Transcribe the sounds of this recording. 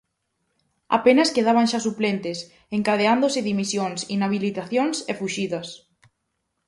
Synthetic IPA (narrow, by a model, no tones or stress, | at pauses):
a̰penɐskeðaβ̞aŋʃasuplent̪ɪs | eŋkaðeand̪osɪðimisjoŋsḭnaβilit̪aθjoŋsefuʃiðɐs